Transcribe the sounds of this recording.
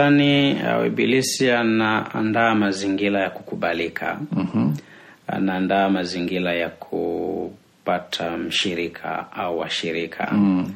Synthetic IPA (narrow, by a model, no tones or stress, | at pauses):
ania̰wɛ̰bilisianaa̰ndaːmaziŋɡiɾajakukuɓalikʰa̰ | a̰naːndaːmaziŋɡiɾajakʰu | patʰam̩ʃiɾikʰa̰auwa̰ʃiɾikʰa̰